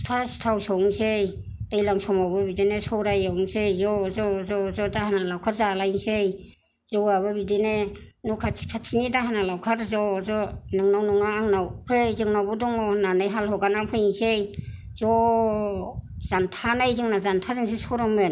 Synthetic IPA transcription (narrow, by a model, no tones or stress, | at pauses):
tʰasi̥tʰawsɔwŋsej | d̥ajlaŋsɔmawbɯbidinesɔwɾajawŋsejzɔzɔzɔzɔdahanalawkʰat̚zalajŋsej | zɔwaβɯbidinenukʰḁkʰatsinidaɦanalawkʰaɾzɔzɔnɯŋnawnuŋaːŋnawpʰejzɯŋnawbudɔŋɔnanɯjɦalɦɔɡanapʰɯjŋsej | zɔ | z̥antʰanajzɯŋnazantʰazɯŋs̬esowɾɔmɯn